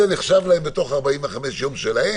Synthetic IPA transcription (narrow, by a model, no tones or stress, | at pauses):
eniχʃavlahembet̪o̞χaʁbaimveχameʃjo̞mʃelahe